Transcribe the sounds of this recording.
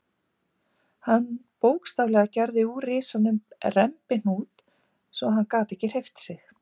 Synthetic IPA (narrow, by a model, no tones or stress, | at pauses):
hanːpoːwkst̪avlɛɣacɛɾðɪurɪːsanʏmrɛmpɪn̥uːt̪ | sɔɦankaːt̪ɛhcːɪr̥ejft̪sɪx